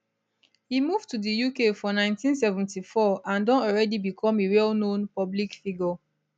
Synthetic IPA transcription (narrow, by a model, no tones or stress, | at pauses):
himuvtudijukefɔnãɪ̃ntĩnsɛvɛ̃ntifɔãndɔ̃nɔlɹɛdibikʰɔ̃meɹɛlnõnpɔblikfiɡɔ